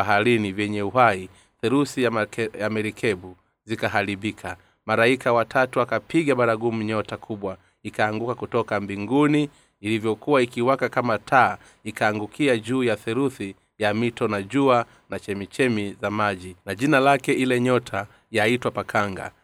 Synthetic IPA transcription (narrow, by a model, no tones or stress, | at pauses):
aɦaɾinivjɛɲɛuɦai | θɛɾuθiajamɛɾikʰɛbu | zikaɦaɾibikʰa | maɾaikʰawatʰatuakapiɡaɓaɾaɡum̩ɲɔtakʰuɓwa | ikaːŋɡukakutɔkambiŋɡuniː | livjɔkuwaikiwakakamatʰaː | ikaːŋɡukʰiaʄuːjaθɛɾuθi | jamitɔnaʄua | nat͡ʃɛmit͡ʃɛmizamaʄinaʄinalakɛilɛɲɔtʰa | jaitwapakʰaŋɡa̰